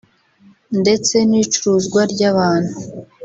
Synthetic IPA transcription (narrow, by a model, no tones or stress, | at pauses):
nde̞t͡se̞niːt͡ʃuɾuzɡwaɾɟaβaːn̥hu